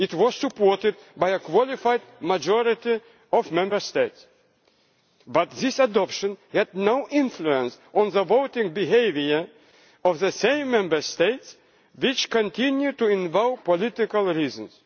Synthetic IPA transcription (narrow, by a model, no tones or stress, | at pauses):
ɪtwɔz̥sɨpɔɹtɨd̚bajəkwɔlˠɪfaɪd̚mad͡ʒɔɹɪti | ɔvmɛ̃mbə˞st̪eɪts | bʌt̪ðɪsədɔpʃə̃nhɛdnoʊʔɪ̃nfluə̃nsʔɔ̃nðəvoʊtɪ̃ŋbiɦeɪviə˞ | ɔvðəsẽɪ̃mːɛ̃mbə˞st̪eɪts | wɪt͡ʃkə̃ntʰɪ̃njud̚tuɪ̃nvaʊpɔlɪt̪ɪkəlˠɹizə̃ns